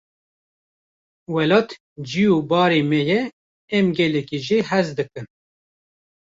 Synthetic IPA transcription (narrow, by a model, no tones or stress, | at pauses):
wɛlɑːt̪ | d͡ʒijubɑːɾeːmɛjɛ | ɛmɡɛlɛkiʒiɦɛzd̪ɨkɨn